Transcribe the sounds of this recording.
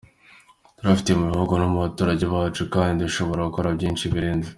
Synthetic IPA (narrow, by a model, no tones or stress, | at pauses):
tuɾafi̥tijemuβiho̞ɡo̞nomuβatoːɾaɟe̞βaːt͡ʃukaːndinduʃo̞βo̞ɾaɡuko̞ɾabɟiːnt͡ʃiβiɾeːnze